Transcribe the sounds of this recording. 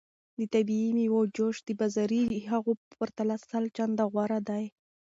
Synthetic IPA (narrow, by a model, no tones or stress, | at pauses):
d̪ət̪abiimiwod͡ʒoʃd̪əbazaɾiɦaɣopəɾt̪alasalt͡ʃand̪aɣwaɾad̪aj